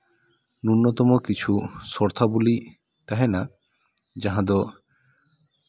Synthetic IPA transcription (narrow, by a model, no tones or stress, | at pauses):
nunːɔt̪ɔmɔkit͡ʃʰusɔɾt̪ʰabuli | t̪aɦɛna | d͡ʒaɦãd̪ɔ